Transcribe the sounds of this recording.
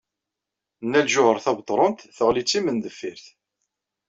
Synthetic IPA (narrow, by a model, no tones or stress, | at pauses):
nːælʒʊhəɾθɑbt̪ˤːɾˤont̪θəʁlit͡sːimənd̪əfːiɾθ